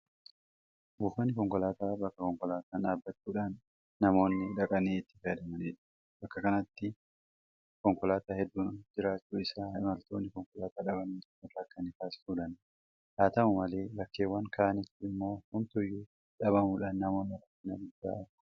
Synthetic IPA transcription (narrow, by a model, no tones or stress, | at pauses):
buːfɐnːɪkɔŋkɔlaːt̪aːbɐkːɐkɔŋkɔlaːt̪aːnᶑaːbːɐt͡ʃːuːᶑaːnː | ɐmo̞ːnːɪᶑɐkʼɐniːɪt̪ːɪ̥fɐd̪ɐmɐniːᶑɐ̥ | bɐkːɐkɐnɐt̪ːɪ | kɔŋkɔlaːt̪aːhɛd̪ːuːnd͡ʒɪɾaːt͡ʃːuːɪsaːɪmɐlt̪oːnːɪkɔŋkɔlaːt̪aːᶑɐbɐniːɪrɐkːɐnɪkaːsɪ̥suːᶑɐn | haːt̪ɐmʊmɐleːbɐkːeːwːɐŋkʰaːʔɐnɪt̪ːɪɪmːo̞ːhʊnt̪ʊjːuː | ᶑɐβɐmuːᶑaːnːɐmo̞ːnːɪɾɐkːɪnɐd̪ʊd̪ːa̰ːɐ̥